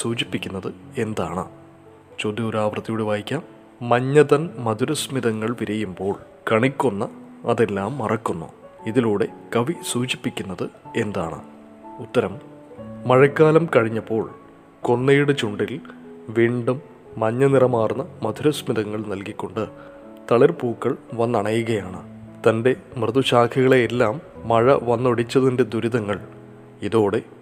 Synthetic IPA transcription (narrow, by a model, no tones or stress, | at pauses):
suːt͡ɕipːikʲːunːɐðɨe̞nd̪aːɳɨ̰ | t͡ɕoːd̪jioɾaːʋrɐt̪ːijuɽeʋaːjikʲːaːmː | ɐɲːɐðɐnmɐd̪ʱuɾɐsmiðɐŋːɐɭʋiɾɐjumbo̞ːɭ | kɐɳikʲːonːɐ | ɐðe̞lːaːmːɐrɐkːunːṵiðiluːɽe̞kɐʋisuːt͡ɕipːikʲːunːɐðɨe̞nd̪a̰ːɳɨ̰ | ut̪ːɐɾɐmː | ɐɻɐkːaːlɐmkɐɻiɲːɐpːo̞ːɭ | ko̞nːeːjuɽɨt͡ɕuɳɖilʋiːɳɖumː | ɐɲːɐnirɐmaːrnːɐmɐd̪ʱuɾɐsmiðɐŋːɐɭnɐlkikʲːoɳɖɨ | t̪ɐɭɐrpuːkːɐɭʋɐnːɐɳɐjuɣɐjaːɳɨ | t̪ɐnde̞mrɨðuɕaːkʰɐɣɐɭeːlːaːmːɐɻɐ̰ʋɐnːo̞ɽit͡ɕːɐðinde̞d̪uɾiðɐŋːɐɭ | iðoːɽe̞